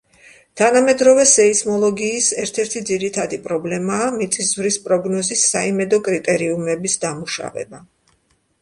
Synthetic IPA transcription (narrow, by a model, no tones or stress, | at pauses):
t̪ʰanamɛd̪ɾɔvɛsɛismɔlˠɔɡiːsɛɾt̪ʰɛɾt̪ʰid̪ziɾit̪ʰad̪ipʼɾɔblɛmaːmit̪sʼiszvɾispʼɾɔɡnɔzisːaimɛd̪ɔkʼɾit̪ʼɛɾiumɛbisd̪amuʃa̰vɛ̰ba